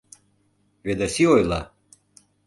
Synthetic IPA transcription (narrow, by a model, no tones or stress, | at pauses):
βed̪asiojlˠɑ̰